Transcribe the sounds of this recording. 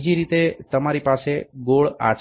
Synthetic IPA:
d͡ʒiɾit̪et̪əmaɾipaseɡoɭa̰t͡ʃ

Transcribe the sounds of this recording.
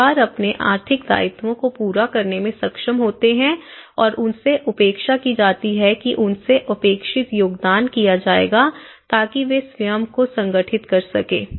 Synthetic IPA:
aːɾɐpneʔa̰ːɾt̪ʰɪkd̪a̰ːɪt̪wõkopuːɾakɐɾnemẽsɐkʃəmɦoːt̪eɦɛ̃ɔːɾʊnseʔʊpeːkʃakid͡ʒaːt̪iɦɛkiʔʊnseʔɐpeːkʃɪt̪joːɡd̪aːnkijad͡ʒaːḛːɡa | t̪aːkiʋesʋjəmkosɐ̃ŋɡəʈʰɪt̪kɐɾsɐkḛː

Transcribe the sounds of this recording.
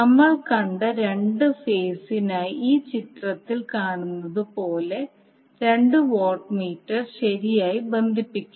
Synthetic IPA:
nɐmːɐɭkɐɳɖɐɾe̞ɳɖɨfeːsinaːjiiːt͡ɕit̪rɐt̪ːilkaːɳunːɐðɨpo̞ːle̞ | ɾe̞ɳɖɨʋoːrʈmiːʈːɐrɕɐɾijaːjibe̞nd̪ʱipːikʲːu

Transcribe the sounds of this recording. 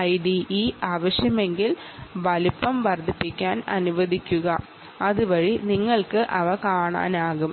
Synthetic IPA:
ɐjɖiʔiːʔaːʋɐɕjɐme̞ŋɡil | ʋɐlupːɐmʋɐrd̪ʱipːikʲːaːnɐ̰nuʋɐd̪ʱikʲːuɣɐ | ɐðuʋɐɻiniŋːɐɭkɨʔɐʋɐkaːɳa̰ːnaːɣum

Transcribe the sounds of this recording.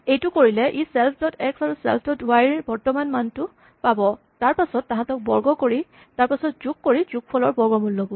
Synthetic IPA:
ejtʊkoɹilɛʔisɛlpʰdɔtɛksaɹusɛ̰lpʰdɔtuajɹbɔɹtɔmanmantʊ | pabɔ | taɹpasɔtːãɦãtɔk̚bɔɹɡɔkoɹi | taɹpasɔt̚zuk̚koɹizuk̚pʰɔlɔɹbɔɹɡɔmulːɔbɔ

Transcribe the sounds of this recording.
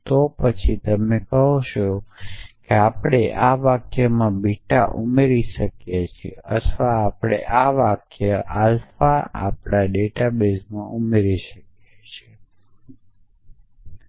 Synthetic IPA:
t̪opət͡ʃʰit̪əmekəɦot͡ʃo | keapɽ̃eʔaʋakjəmãbiʈaʔumeɾiʃəkjet͡ʃʰieət̪ʰʋaːpɽ̃eʔaʋakjəʔalfaa̰pɽaɖeʈabesmãʔumeɾiʃəkjet͡ʃʰe

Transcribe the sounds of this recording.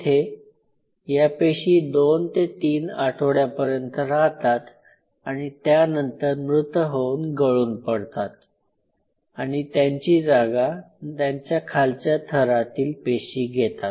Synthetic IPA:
t̪ʰe | japeɕiːd̪ont̪et̪iːnaʈʰoɽjapəɾjənt̪əɾaɦt̪at̪ | aɽ̃it̪janənt̪əɾmɾut̪əɦounɡəɭuːnpəɽt̪at̪̚ | aɽ̃it̪jaɲt͡ɕiːd͡zaɡa | t̪jaɲt͡ɕjakʰalt͡ɕjat̪ʰəɾat̪iːlpeɕiːɡʱet̪at̪

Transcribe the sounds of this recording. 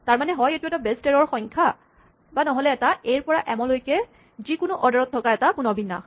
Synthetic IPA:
taɹmanɛɦɔjetuɛtabestɛɹɔɹxɔjŋkʰa | banɔɦɔlɛːtaejɹpɔɹaʔɛmɔ̃lojkɛ | zikʊnʊʔɔdɔɹɔtʰːɔkaɛtapunɔbinːa̰

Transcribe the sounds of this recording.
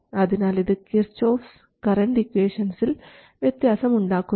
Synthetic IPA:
ɐðinaːliðɨkiɾt͡ʃːoːfs | kɐɾɐɳɖikʋeːʂɐnsil | ʋjɐt̪jaːsɐmuɳɖaːkːu

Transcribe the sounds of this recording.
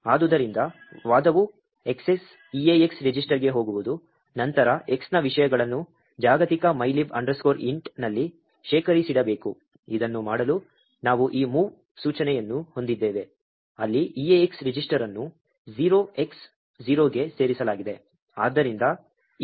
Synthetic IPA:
aːd̪ud̪ɐɾind̪ɐ | ʋaːd̪ɐʋu | e̞kse̞s | ijeeksɾid͡ʒisʈɐɾɡe̞ɦo̞ːɡuʋud̪u | nɐnt̪ɐɾɐʔe̞ksnɐʋiʂɐjɐɡɐɭɐnːu | d͡ʒaːɡɐt̪ikɐmɐjliʋɐ̰ɳɖɾɐskoːɾiɳʈnɐlːi | ʃɛːkʰɐɾisiɽɐbe̞ːku | id̪ɐnːumaːɽɐlu | naːʋuʔiːmuːʋ | suːt͡ʃɐnɛjɐnːuho̞nd̪id̪ːeːʋe̞ | ɐlːiijeeksɾid͡ʒisʈɐɾɐnːu | d͡ʒiːɾo̞ːe̞ks | d͡ʒiːɾo̞ːɡe̞se̞ːɾisɐlaːɡid̪e̞ | aːd̪ːɐɾind̪ɐ

